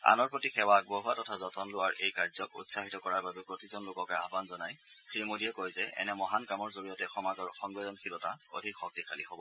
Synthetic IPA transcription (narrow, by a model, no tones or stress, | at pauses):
a̰nɔɹpɹotixɛwak̚boɦuatɔtʰazɔtʰɔnlʊaɹʔejkaɹzɔkṵtsaɦitɔkɔɹaɹbabɛpɹotizɔnlʊkɔkɔjaɦbanzɔnaj | sɹimodijɛkojzɛʔɛ̰nɛmɔɦankɹamɔɹzoɹijɔtɛxɔmazɔɹxɔŋɡɛzɔnxilɔtao̰dʱikxɔk̚tikʰalḭhobɔ